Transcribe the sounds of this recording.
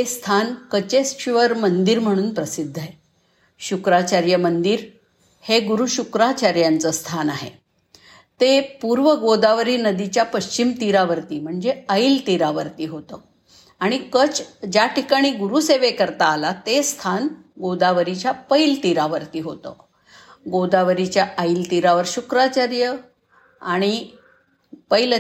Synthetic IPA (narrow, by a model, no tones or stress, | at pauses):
est̪ʰankət͡ɕesɕiʋəɾmənd̪iɾm̤əɽ̃uːnpɾəsid̪ʱːae | ɕukɾat͡ɕaɾjəmənd̪iːɾ | heɡuɾuɕukɾat͡ɕaɾjãnt͡səst̪ʰanaɦḛ | t̪epuɾʋəɡod̪aʋɾiːnəd̪it͡ɕjapəɕt͡ɕimt̪iɾaʋəɾt̪iːm̤əɳd͡zeəilt̪iɾaʋəɾt̪iːɦot̪ə̰ | aɽ̃ikət͡sd͡ʑjaʈikaɽ̃iːɡuɾuseʋekəɾt̪aːlat̪est̪ʰanɡod̪aʋəɾit͡ɕjapəilt̪iɾaʋəɾt̪iːɦot̪ə̰ | ɡod̪aʋəɾit͡ɕjaəilt̪iɾaʋəɾɕukɾat͡ɕaɾjə | aɽ̃i | pəjl